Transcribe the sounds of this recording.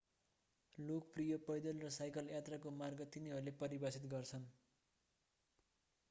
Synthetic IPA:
lokprijʌpʌjd̪ʌlrʌsajkʌljat̪rʌkomarɡʌt̪iniɦʌɾlepʌɾibasit̪ɡʌrt͡sʰʌn

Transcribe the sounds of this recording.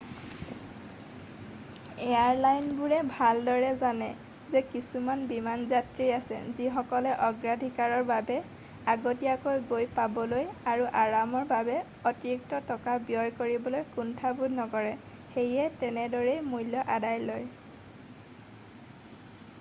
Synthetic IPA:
ɛaɹlajnbuɹɛbʱaldɔɹɛzanɛ | zɛkisumanbimanzatɹiasɛ̰zixɔkɔlɛʔɔɡɹadʱikaɹɔɹbabɛ | aɡotiakojɡojpabɔlojaɹuʔaɹamɔɹbabɛ | ɔtiɹuk̚tɔtɔkabjɔjkoɹibɔlojkuntʰabudnɔkɔɹɛ | xejɛtɛnɛdɔɹɛjmujlːɔʔadajloj

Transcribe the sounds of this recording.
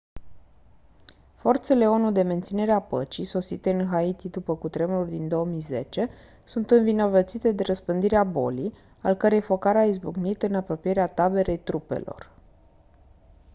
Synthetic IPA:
fo̞rt̪se̞le̞o̞nud̪e̞me̞nt̪sine̞ɾeapət͡ʃiso̞sit̪e̞ɨnɦait̪id̪upəkut̪ɾe̞mulʲd̪ind̪o̞omijze̞t͡ʃe̞ | sunt̪ɨnvino̞vət̪sit̪e̞d̪e̞ɾəspɨnd̪iɾeabo̞̰lij | a̰lkəɾe̞jfo̞kaɾaizbuɡnit̪ɨnapɾo̞pije̞ɾeat̪abe̞ɾe̞jt̪ɾupe̞̰lo̞̰r

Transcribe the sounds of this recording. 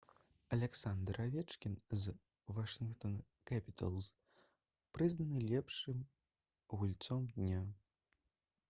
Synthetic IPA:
ɐlʲɛksand̪ɾavʲɛt͡ʂkʲinz | vaʂɨnkt̪ɔn | kapʲit̪ʰɐ̰lˠs | pɾɨznɐnɨlʲɛpʂɨm | ɣulʲt̪sɔmd̪ʲnʲa

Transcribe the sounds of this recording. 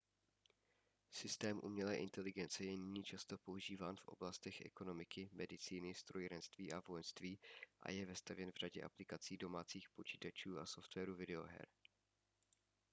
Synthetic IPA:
sɪst̪ɛːmʔṵmɲɛlɛːʔɪnt̪ɛlɪɡɛnt͡sɛjɛnɪɲiːt͡ʃast̪opo̞uʒiːvaːnfʔo̞̰blast̪ɛxʔɛ̰ko̞no̞mɪkɪmɛdɪt͡siːnɪst̪ɾojɾɛnst̪viːʔavojɛnst̪viːʔa̰jɛvɛst̪avjɛnvraɟɛʔa̰plɪkat͡siːdo̞maːt͡siːxpo̞t͡ʃiːt̪at͡ʃuːʔaso̞ft̪vɛːɾuvɪdɛo̞̰ɦɛ̰ɾ

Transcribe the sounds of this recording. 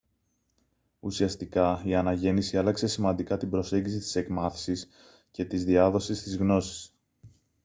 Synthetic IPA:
usiɐst̪ikɐiɐnɐʝe̞nisiɐlɐkse̞simɐnd̪ikɐt̪ibɾo̞se̞ɲɟisit̪i̥se̞kmɐθi̥sis | ce̞t̪izðiɐðo̞sist̪izɣno̞si̥s

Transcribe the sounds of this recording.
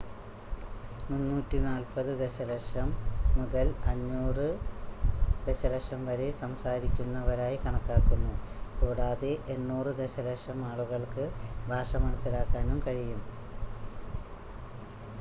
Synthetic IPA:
munːuːtːinaːlpɐðɨd̪e̞ɕɐlɐkʂɐmːuðɐlɐɲːuːrɨ | d̪̥e̞ɕɐlɐkʂɐmʋɐɾe̞sɐmsaːɾikʲːunːɐʋɐɾaːjikɐɳɐkːaːkːunːukuːɽaːðeʔenːuːrɨd̪e̞ɕɐlɐkʂɐmaːɭuɣɐɭkɨbʱaːʂɐmɐnɐsilaːkːaːnumkɐɻijum

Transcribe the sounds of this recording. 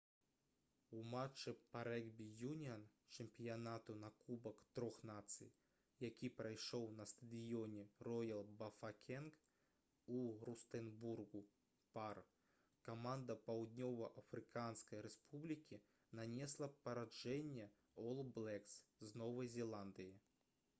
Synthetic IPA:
umat͡ʂːɨpaɾɛɡbʲijunʲian | t͡ʂɛmpʲijanat̪unakubɐkt̪ɾɔxnat̪sɨ̰j | jakʲipɾajʂɔwnɐst̪ɐd̪ɨjɔnʲɛrɔjɐlˠbɐfakʲʰɛnk | urust̪ɛnburɡu | par | kamand̪ɐpawd̪nʲɔvɐʔɐfɾɨkanskɐjɾɛspʰublʲikʲi | nanʲɛslˠɐpɐɾad͡ʐɛnʲːɛ | ɔlˠblˠɛksznɔvɐjzʲɛlˠand̪ɨji

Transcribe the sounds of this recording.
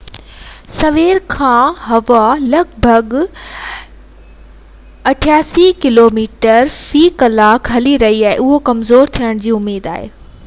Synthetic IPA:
sɐʋeːɾkʰãːɦɐʋalɐɡbʱɐɡ | ɐʈʰijaːsikɪloːmiːʈəɾfiːkɐlaːkɦɐliɾɐɦiaːɦeʊɦokɐmzoːɾt̪ʰijəɽ̃d͡ʑiːʊmːeːd̪a̰ːɦḛː

